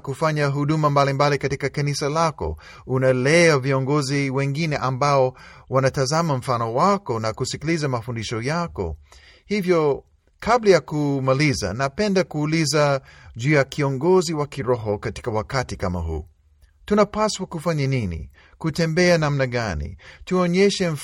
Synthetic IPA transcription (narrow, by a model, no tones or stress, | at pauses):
kufaɲaɦuɗumambalimbalikatikakanisalakɔ̰ | unalɛaviɔŋɡɔziwɛŋɡinɛʔambaɔwanatazamam̩fanɔwakɔnakusikilizamafundiʃɔjakɔ̰ | hivjɔ | kʰablajakumaliza̰napɛndakuːlizaʄuːjakiɔŋɡɔziwakiɾɔɦɔkati̥kawakatikama̰ɦṵː | tunapaswakufaɲaninḭ | kutɛmbɛanamnaɠanḭtuɔɲɛʃɛm̩